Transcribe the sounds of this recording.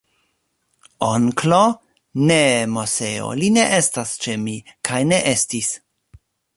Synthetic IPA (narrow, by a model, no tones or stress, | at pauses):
oŋklo | nemoseo̰line̞ʔe̞stast͡ʃe̞mikʰajne̞ʔe̞stis